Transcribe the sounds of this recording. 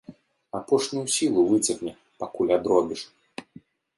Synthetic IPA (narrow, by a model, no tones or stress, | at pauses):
apɔʂnʲujusʲilˠuvɨt͡sʲɐɣnʲɛ | pakulʲad̪ɾɔbʲiʂ